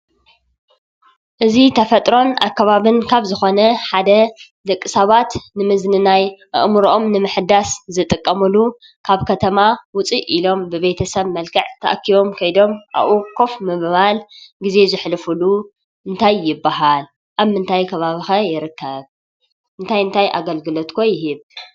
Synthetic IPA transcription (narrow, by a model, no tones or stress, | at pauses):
ʔɨzit̪ʰɐfɐt̪ʼɾo̞na̰kːɐβaβɨnkʰaβzɨxo̞nɐħad̪ɐlɨkʼːɨsɐβat̪nɨmɨznɨnajʔɨ̰ʔmuɾʔo̞mnɨmɨħd̪aszɨt̪ʼɨkʼːɐmulu | kʰaβkʰɐt̪ʰɐmawʊt͡sʼiʔilo̞mbɨβe̞t̪ʰɐsɐβmɐlkʰɐʕt̪ʰɐ̰ʔɐkʰːiβo̞mkʰɐjd̪o̞mʔa̰βʔukʰo̞fmɨββalɡize̞zɨħlɨfulu | ʔɨnt̪ʰajːɪbːaɦal | ʔaβmɨnt̪ʰajkʰɐβaβixɐjɪɾɨkʰːɐβ | ʔɨnt̪ʰajɨnt̪ʰajʔa̰ɡɐlɡɨlot̪kʰojɪɦɨβ